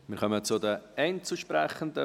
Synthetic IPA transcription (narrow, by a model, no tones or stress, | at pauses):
mɪɾχœmət͡sʊdəɛɪnt͡suʃpɾɛχəndə